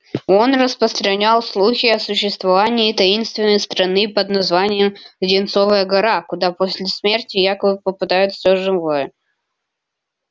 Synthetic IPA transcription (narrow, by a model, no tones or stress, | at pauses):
o̞nrəspɾəst̪ɾɐnʲalˠslˠuxʲɪɐsʊɕːɪst̪vɐvanʲɪːt̪ɐinst̪vʲɪnːəjst̪ɾɐnɨpəd̪nɐzvanʲɪjəmdʲɪnt̪sovəjəɡɐɾakʊd̪aposʲlʲɪsmʲe̞rtʲɪjakəbɨpəpɨd̪ajʊt̪sʲoʐɨvojə